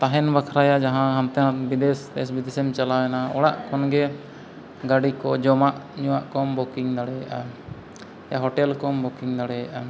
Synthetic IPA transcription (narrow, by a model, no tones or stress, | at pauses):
t̪aɦɛnbakʰɾajad͡ʒaɦãɦamt̪ɛnabid̪ɛst̪ɛsbid̪ɛsɛmt͡ʃalawɛnaɔ̰ɽaʔkɔnɡɛ | ɡaɽikɔd͡ʒɔmaʔɲuwaʔkɔmbɔkiŋd̪aɽɛjaʔa | jaɦɔʈɛlkɔmbɔkiŋd̪aɽɛjaʔa